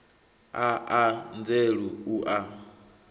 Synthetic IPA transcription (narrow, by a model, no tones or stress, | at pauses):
aʔand͡zeɺuuʔa